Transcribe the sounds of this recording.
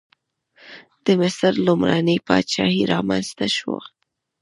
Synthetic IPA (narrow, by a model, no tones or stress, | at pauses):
d̪̥əmɪsɾlumɾanəjpɑt̪t͡ʃɑhiɾɑmanz̥t̪aʃwo̰